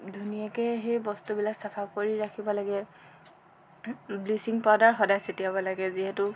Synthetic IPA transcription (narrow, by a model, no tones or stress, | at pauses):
dʱunijakɛɦejbɔstubilaksapʰakoɹiɹakʰibɔlaɡɛ | blisiŋpadaɹxɔdajsetijabɔlaɡɛziɦɛtʊ